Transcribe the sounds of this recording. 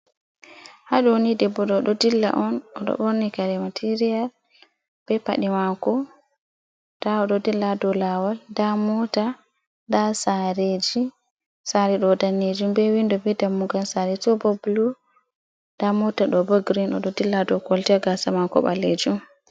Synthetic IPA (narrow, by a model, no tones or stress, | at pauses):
haɗwnidɛbɔɗɔɗɔdilːa̰ʔɔnɔɗɔ̰ɓɔɾnikaɾɛmatʰiɾijal | b̥ɛpa̰ɗimakɔ | d̥aɔɗɔdilːadɔlawaldamɔta | dasaɾed͡ʒi | saɾɛɗɔdanːed͡ʒumbɛwindɔbidamːuɡansaɾɛtɔbɔbulu | damɔtaɗɔbɔɡɾinɔ̰ɗɔdilːadɔkɔltɛɡasamakɔ̰ɓa̰led͡ʒum